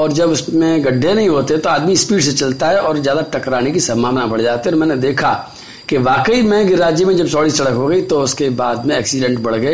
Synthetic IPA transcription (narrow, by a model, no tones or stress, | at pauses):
ɔːɾd͡ʒɐbʊsmẽɡɐɖʱːenɐɦĩɦoːt̪eɦɛ̃t̪oaːd̪mispiːʈset͡ʃɐlt̪aɦɛʔɔːɾzjaːd̪aʈɐkɾaːnekisɐmaːʋnabɐɽd͡ʒaːt̪eɔːɾmɛ̃ːned̪eːkʰa | keʋaːkəimɛ̃ɡɪɾːaːd͡ʒjəmẽd͡ʒɐbsɔːɽisɐɽəkɦoːɡɐit̪oʊskebaːd̪mẽɛːksɪɖɛ̃ɳʈbɐɽ̤ɡɐeː